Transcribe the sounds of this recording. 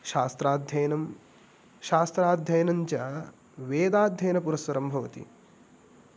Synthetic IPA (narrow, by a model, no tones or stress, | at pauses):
ʃaːst̪ɾaːd̪ʱjɐjnɐm | ʃaːst̪ɾaːd̪ʱjɐjɐnɐɲt͡ʃɐ | ʋeːd̪aːd̪ʱjɐjnɐpuɾɐsʋɐɾɐmbʱɐʋɐt̪ḭ